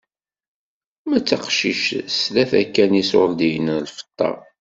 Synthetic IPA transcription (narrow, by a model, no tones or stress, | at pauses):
mæt͡sːɑqʃiʃslæθækːæniso̰ɾd̪ijnlfə̥t̪ˤːɑ̰